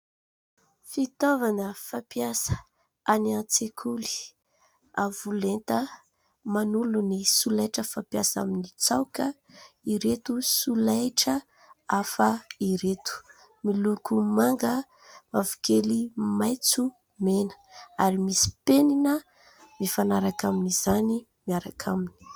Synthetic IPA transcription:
fit̪ovanəfapiasə̥ | aniant͡sekʰuli̥ | avulent̪ə | manulunisulajʈ͡ʂəfapiasa̰minit͡sawkə | iɾet̪usulajʈ͡ʂə | afəiɾet̪u̥ | milukumaŋɡə | mavukelimajt͡su | menə̥ | aɾimisi̥peninə | mifanaɾakaminiz̥ani | miaɾakʰamini̥

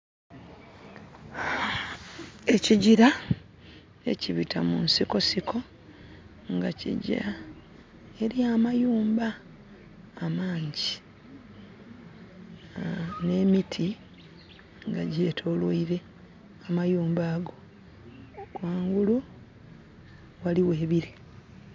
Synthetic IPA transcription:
e̞ciɟiɾa | e̞̰ciβitʰamunsiko̞sikʰo̞ | ŋɡacḭɟḭɾa | e̞ɾjaːmajuːmbaː | maːɲɟi | ne̞ːmitʰi | ŋɡaɟe̞ːtʰo̞ːlwoiɾe̞ | amajuːmbaːɡo̞ | kwaːŋɡulu | waliwe̞ːβiɾi

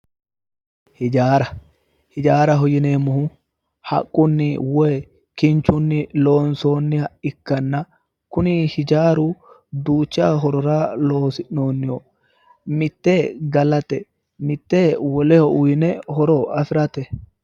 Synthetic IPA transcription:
hɪd͡ʒaːɾɐ | hɪd͡ʒaːɾɐɦɔjɪneːmʊhʊ | hɐ̰kʼːʊnːɪwɔjɛ | kɪnt͡ʃːʊnːɪlo̞ːnso̞ːnːɪhɐʔɪkːɐnːɐ | kʊnɪhɪd͡ʒaːɾʊ | d̪uːt͡ʃːɪa̰ːɦɔɾɔɾaːlo̞ːsɪʔno̞ːnːɪjo | mɪt̪ːeːɡɐlɐt̪ɛ | mɪt̪ːeːwɔlɛhɔʔʊjɪnɛhɔɾɔɐfɪɾɐt̪ɛ

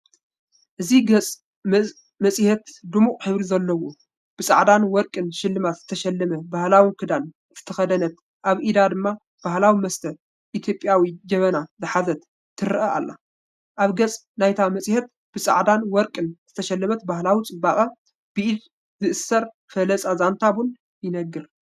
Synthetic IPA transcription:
ʔɨziɡɐt͡sʼ | mɐsʼhɛt̪d̪umuχʼħɨβɾizɐlːɐwo | b̥ɨsʼa̰ʕd̪anwɔɾkʼɨnʃɪlːɨmat̪z̥ɨt̪ʰɐʃɐlːɐmɐbahlawikʰɨd̪an | z̥ɨt̪ʰɐxɐd̪ɐnɐt̪̚ | ʔaβʔid̪ad̪ɨmːa | b̥ahlawimɐst̪ʰɐ | ʔit̪ʰjo̞pʼjawid͡ʒɐβɐnazɨħazɐt̪ʰː | ɨɾʔɐʔa̰lːa̰ | ʔaβɡɐt͡sʼ | najt̪ʰamɐsʼhɛt̪̚ | b̥ɨt͡sʼa̰ʕd̪anwɔɾkʼɨnz̥ɨt̪ʰɐʃɐlːɐmɐt̪bahlawit͡sʼɨbaχʼɐ | b̥ɨʔid̪ | zɨʔɨsːɐɾ | fɐlɐt͡sʼazant̪ʰaβun | jɪnɐɡːɨɾ

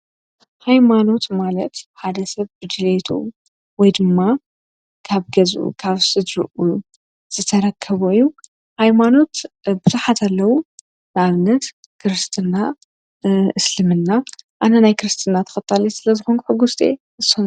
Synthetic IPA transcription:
hajmano̞t̪malɐt̪ħad̪ɐsɐβbɨd͡ʒ̪ɨlet̪ʰṵ | wɔjd̪ɨmːa | kʰaβɡɐzʔṵkʰaβsɨd̪ɾɨ̰ʔu | z̥ɨt̪ʰɐɾɐkʰːɐβoijːu | hajmano̞t̪bɨzuħat̪ʰalːɐwu | nɨʔaβɨnːɐt̪ | kʰɨɾɨst̪ʰɨna | ʔɨslɨmɨnːaʔanɐnajkʰɨɾɨst̪ʰɨnːat̪ʰɐ̥xɐt̪ʰːalɐsɨlɐzɨxonkħɨɡust̪ʼḛ | ɨzon

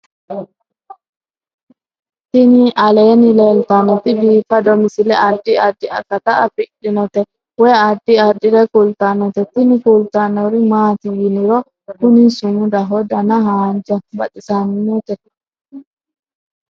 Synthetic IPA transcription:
t̪ɪniʔɐleːnɪleːlt̪ɐnɔt̪ɪbiːfɐd̪ɔmɪsɪlɛɐd̪ːɪɐd̪ːɪɐ̰kːɐt̪aʔɐfɪɗɪnɔt̪ɛ | wɛːadːiɐdɪɾɛkult̪anɔt̪ɛt̪ɪnɪkult̪anɔɾɪmaːt̪ɪjɪnɪɾɔ | kʊnisʊmʊd̪ɐɦɔd̪ɐnɐɦaːnd͡ʒɐbɐ̰ᶑɪsanɪnɔt̪ɛ

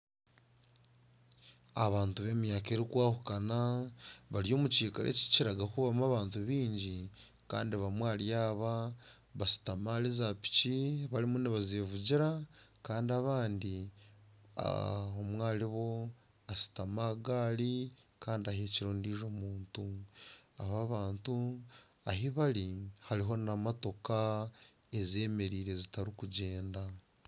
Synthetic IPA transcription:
aβaːntuβe̞mijakeːɾikwaːhukanaβaɾjo̞ːmut͡ʃiːkaɾʔḛci̥ciɾaɡakuβamuaβaːntuβiːɲɟi | ka̰ːndiβamwaːljaːβa | βasi̥tamalizapi̥ciβaɾimuniβazeːvuɟiɾakaːndiaβaːndi | a̰omwaːliβo̞ | asi̥tamaɡaːlikaːndiaɦeciɾoːndiːʒo̞muːntu | aβaβaːntu | aɦiβalihaɾiɦo̞nnamato̞ka | e̞ze̞ːme̞ɾiːɾe̞zitaɾikuɟeːnda

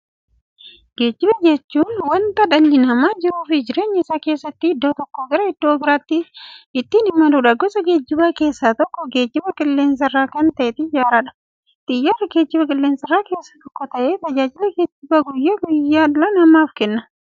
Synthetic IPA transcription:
ɡ̥e̞ːd͡ʒːɪbɐd͡ʒɛt͡ʃːuːnwɐnt̪ɐᶑɐnːɪnɐmaːd͡ʒɪɾuːfɪd͡ʒɪɾe̞ːɲːɪsaːke̞ːsːɐt̪ːɪɪd̪ːoːt̪ɔkːoɡɐɾɐɪd̪̥ːoːbɪɾaːt̪ːɪɪt̪ːinɪmːɐduːᶑɐɡɔsɐɡe̞ːd͡ʒːɪbaːke̞ːsːaːt̪ɔkːɔɡe̞ːd͡ʒːɪbɐkʼɪlːe̞ːns̬ɐrːaːkɐnt̪ɐʔɛt̪ɪd͡ʒaːɾɐᶑɐ̥ | t̪ʼɪjːɐrːɐɡeːd͡ʒːɪbɐkʼɪlːeːnsɐrːaːke̞ːsːat̪ɔkːɔt̪ɐʔeːt̪ɐd͡ʒaːd͡ʒɪlɛɡeːd͡ʒɪbɐɡʊjːeːɡʊjːaːlɐnɐmaːfkɛnːɐ

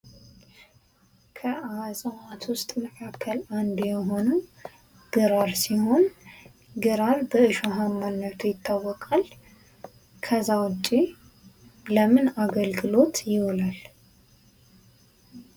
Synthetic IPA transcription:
kʰəʔazʼəat̪ʰwʊst̪ʼməkʰakʰːəland̪jɛɦo̞nə | ɡ̥ɨɾaɾsiho̞n | ɡɨɾaɾbəɨʃoɦamːanːət̪ʰujɪt̪ʰːawːɔkʼal | kʰəzawɔt͡ʃʼːi | ləmɨnaɡəlɡɨlo̞t̪jɪwlal

